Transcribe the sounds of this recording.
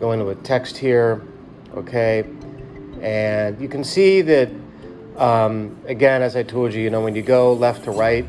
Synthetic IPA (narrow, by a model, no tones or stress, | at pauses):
ɡ̥oʊɪ̃ŋtəətʰɛkst̚hiɹ | ʔo̰ʊkʰeɪ | ɨ̃njɨkɨ̃n̩siðɨt̚ | ʌ̃mɨɡɛ̃nɨzaɪtʰolˠd͡ʒɨjɨnoʊwɨ̃njɨɡoʊlɛftʰəɹaɪt̚